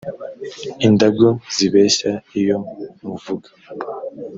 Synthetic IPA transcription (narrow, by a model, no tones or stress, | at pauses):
indaɡoz̥iβe̞ːʃaijo̞muvuɡḁ